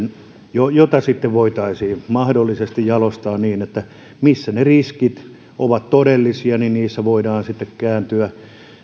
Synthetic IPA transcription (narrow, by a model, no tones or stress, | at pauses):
n | jojot̪ɑsit̪ːeʋʋoit̪ɑisiːmɑhdolːisest̪ijjɑlost̪ɑːnniːnet̪ːæ | misːæneriskit̪ | ʔoʋɑt̪todelːisiɑninniːsːæʋoidɑːnsit̪ːekkæːnt̪yæ